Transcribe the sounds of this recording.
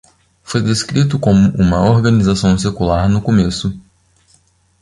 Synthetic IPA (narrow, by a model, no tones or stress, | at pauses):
fojd̪eskɾit̪̬ʊkõmʊʔũmɐoɾɡɐnizasɐ̃w̃sekulaɾnʊkomesʊ